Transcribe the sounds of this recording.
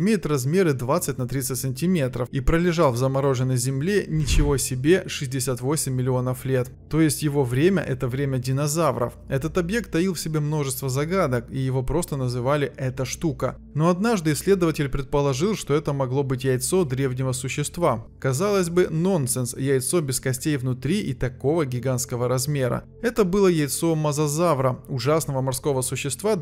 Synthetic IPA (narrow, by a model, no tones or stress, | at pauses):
ɪmʲejɪt̪rɐzmʲe̞ɾɨd̪vat̪sɨtʲnɐt̪ɾʲit̪sɨtʲsənʲtʲɪmʲe̞t̪ɾəfipɾəlʲɪʐɑlˠvzəmɐɾo̞ʐɨnːəjzʲɪmlʲenʲɪt͡ɕɪvo̞ɐsʲɪbʲe̞ʂɨzʲdʲɪsʲat̪vo̞sʲɪmʲːɪlʲɪo̞nəflʲe̞t̪ | t̪ːo̞jɪsʲtʲjɪvo̞vɾʲemʲə̰ʔɛt̪əvɾʲemʲədʲɪnɐzavɾə̰fɛt̪ət̪ɐbje̞k̚t̪ːɐilˠfsʲɪbʲe̞mno̞ʐɨst̪vəzɐɡad̪əkijɪvo̞pɾo̞st̪ənəzɨvalʲɪɛt̪əʂt̪ukə̰ | no̞ɐd̪naʐd̪ɨɪsʲlʲe̞d̪əvətʲɪlʲpɾʲɪt̪̚pəlˠɐʐɨlˠʂt̪o̞ɛt̪əmɐɡlˠo̞bɨtʲjɛjt̪sod̪ɾʲe̞vnʲɪvəsʊɕːɪst̪vakɐzalˠəsʲbɨno̞nt̪sɛnsjɛjt̪so̞bʲɪskɐsʲtʲejvnʊt̪ɾʲiʔɪt̪ɐko̞vəɡʲɪɡant̪skəvəɾɐzmʲe̞ɾə̰ | ɛt̪əbɨlˠəjɛjt̪so̞mɐzɐzavɾəʊʐasnəvəmɐrsko̞vəsʊɕːɪst̪va